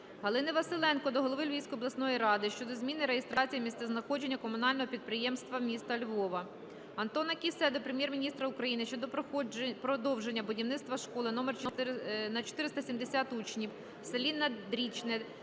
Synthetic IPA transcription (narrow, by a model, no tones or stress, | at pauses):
ɦɐlˠɪnɪʋɐsɪlˠɛnkɔd̪ɔɦɔlˠɔʋɪlʲʋʲijsʲkɔjɔblˠɐsnɔjiɾɑd̪ɪʃt͡ʃɔd̪ɔzmʲinɪɾeɦest̪ɾɑt͡sʲijimʲist̪sɛznɐxɔd͡ʒe̞nʲːɐkɔmʊnɑlʲnɔɦɔpʲid̪̚pɾɪjɛmst̪ʋɐmʲist̪ɐlʲʋɔʋɐ | ɐnt̪ɔnɐkʲisɛd̪ɔpɾemʲjɛrmʲinʲist̪ɾɐukɾɐjinɪʃt͡ʃɔd̪ɔppɾɔd̪ɔwʒe̞nʲːɐbʊdʲiwnɪt̪st̪ʋɐʃkɔlˠɪnɔmɛrt͡ʃnɐt͡ʃɔ̥t̪ɪɾɪst̪ɐsʲimd̪esʲɑt̪ut͡ʃnʲiw | selʲinːɐd̪ɾʲit͡ʃnɛ